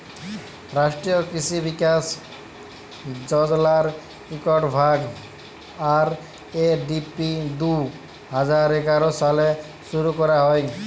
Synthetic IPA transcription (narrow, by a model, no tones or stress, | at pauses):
ɾasʈɾijokɾisibikas | d͡ʒɔd͡ʒlaɾ | ikɔʈbʱaɡ | aɾ | eɖipid̪u | ɦad͡ʑaɾeɡaɾosale | suɾukɔɾaɦɔj